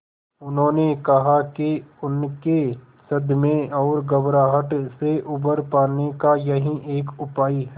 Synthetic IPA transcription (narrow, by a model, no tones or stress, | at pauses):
ʊnɦõːnekɐɦakeʊnke | sɐd̪mẽɔːɾɡɐbɾaːɦəʈseʔʊbəɾpaːnekajɐɦĩʔeːkʊpaːiɦɛ